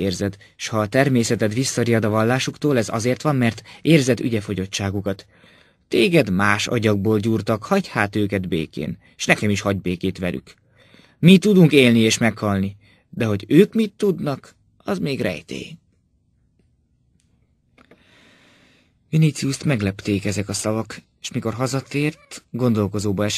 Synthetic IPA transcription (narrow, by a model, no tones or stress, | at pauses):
eːrzɛd̪ʃhɒːt̪ɛrmeːsɛt̪ɛt̪ʋisːɒɾijɒd̪ɒvɒlːaːʃukt̪oːlɛzɒ̰zeːrt̪ʋɒmːɛrt̪eːrzɛd̪y̰ɟɛfo̞ɟo̞t͡ʃːaːɡukɒt̪ː | eːɡɛd̪maːʃɒ̰ɟɒɡ̚boːlɟuːrt̪ɒkhɒɟhaːt̪øːkɛd̪bḛːkḛːn | eʃnɛkɛmiʃhɒɟbeːkeːt̪ʋɛlʔy̰k | mit̪ːud̪uŋkeːlnieːʃmɛkhɒlni | d̪ɛɦo̞ɟøːkmit̪ːud̪nɒk | ɒzmeːɡrɛ̰jt̪ɛ̰j | minit̪siust̪mɛɡlɛpt̪eːkɛzɛkɒsɒvɒk | eːʃmiko̞rɦɒzɒt̪eːrt̪ɡo̞nd̪o̞lko̞zoːbɒɛʃ